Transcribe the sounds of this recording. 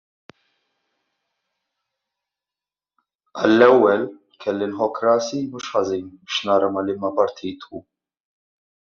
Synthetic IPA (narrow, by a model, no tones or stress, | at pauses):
ɐlːɛwːɛl | kʰɛlːinħɔkːɾɐːsimuːʃħɐziːnbɪʃnɐːɾɐmɐlɪmːɐpɐɾt̪ʰiːt̪u